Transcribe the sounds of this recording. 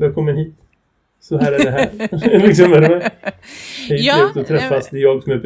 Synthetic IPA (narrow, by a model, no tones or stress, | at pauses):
d̪ɛkʰɔmːəɾɦiːt̪ | sɔɦæːɾæɖɛɦæɾlɪksɔmæɾɛmɛ | hɛt̪ɛt̪ɔt̪ʰɾɛfːast̪jɑːɡsɔmæɾb